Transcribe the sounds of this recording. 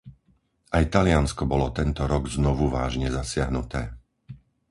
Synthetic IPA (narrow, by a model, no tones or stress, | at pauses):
ʔajt̪alɪanskɔbɔlɔt̪ɛnt̪ɔɾɔɡznɔʋuʋa̰ːʒɲɛzasɪaɦnut̪ɛː